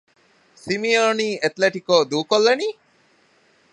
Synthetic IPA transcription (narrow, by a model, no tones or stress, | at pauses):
simioniːʔet̪leʈikoːd̪uːkolːeniː